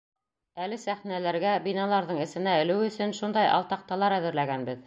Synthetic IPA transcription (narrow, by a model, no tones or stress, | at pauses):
ælɘsæχnælæɾɡæbinɑlˠɑɾðɤɴɘ̆sɘ̆næɘ̆lɘwɵ̆sɵnʃund̪ɑjɑ̰lˠt̪ɑq̚t̪ɑlˠɑɾæðɘ̆ɾlæɡænbɘð